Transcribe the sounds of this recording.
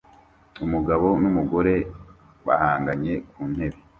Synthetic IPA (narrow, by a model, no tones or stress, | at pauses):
umuɡaβo̞numuɡo̞ɾe̞ | βa̰haːŋɡaɲe̞kʰuːn̥he̞βe